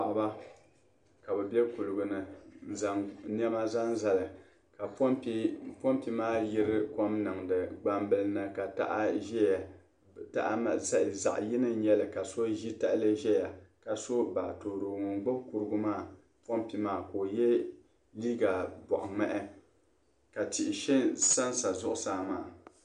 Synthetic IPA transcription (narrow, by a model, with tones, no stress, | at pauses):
a˨ʔba˦ | ka˨bɛ˨bɛ˦ku˨lɨ˨ɡʊ˨nɨ˨za˦n˦ɛ˦ma˦za˦n˦za˨lɨ˨ | ka˨˦po˦mpi˦maː˦ji˦ɾɨ˦ko˦mnɨ˨ŋdɨ˨ɡ͡ba˦mbɨ˦lɨ˦nɨ˦ka˨ta̰˦ʔa˦ʒɛ˦ja˨ | ta˦ʔa˦ma˨za˦˨za̰˨ʔji˦nɨ˦ɲɛ˦lɨ˨ka˨so˦ʒi˦ta˦ʔlɨ˦ʒɛ˦ja˨ka˨so˦ba˨to˨ɾo˨ŋʊ˨ŋɡ͡bo˦ku˦ɾɨ˦ɡʊ˦maː˦˨ | po˦mpi˦maː˦˨koː˨jɛ˦ | liː˦ɡa˨bɔ˨ʔʊ˨ŋ͡mɛ˦ʔɛ˦ | ka˨tɪ˨ʔɪ˨ʃɛ˦nsa˦nsa˨zʊ˦ʔʊ˦saː˦ma̰ː˦˨